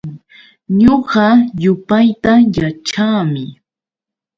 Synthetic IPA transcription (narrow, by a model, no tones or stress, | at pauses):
ɲoɢɑjʊpajt̪ajat͡ʃaːmɪ